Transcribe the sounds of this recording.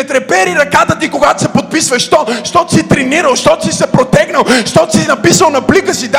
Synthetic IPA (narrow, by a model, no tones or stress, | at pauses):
ɛt̪ɾɛpɛɾiɾɐkat̪ət̪ikoɡat̪o̥sɛpot̪̚pisvɐʃt̪ɔʃt̪ɔt̪sit̪ɾɛniɾəlˠʃt̪ɔt̪sisɛpɾot̪ɛɡnɐlˠʃt̪ɔt̪sinɐpisvəlˠnɐblikəsid̪